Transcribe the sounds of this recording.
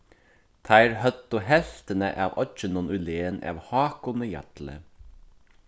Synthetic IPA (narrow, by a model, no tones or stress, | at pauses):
t̪ʰæɪɾhœt̪ʊhɛft̪ənə̰ʔɑːʋʔɔt͡ʃənɔnʉleːənʔɑ̰ːʋhɑːkʊnəjɑ̰t̪lə̰